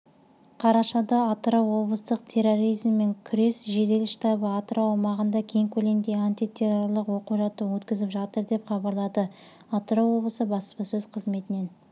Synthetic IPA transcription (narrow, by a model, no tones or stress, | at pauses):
qʰɑɾɑʃɑd̪ɑːt̪ɾowwo̞blˠəst̪əqt̪ʰe̞ro̞ɾijzmːe̞ŋkʲʰʏɾe̞sʒe̞d̪e̞lɪʃt̪ɑbəɑt̪əɾʔowɑmɑʁənd̪ɑkʲʰe̞ŋkʲʰɵle̞md̪e̞ant̪ijt̪ʲʰe̞ro̞rlˠəqwo̞quʒɑt̪ːəwɵt̪kʲɪzɪpʒɑt̪əɾd̪e̞pχɑbɑɾlˠɑd̪ə | ɑt̪ɾowwo̞blˠəsəbɑspɑsɵzqʰəzme̞t̪ɪne̞n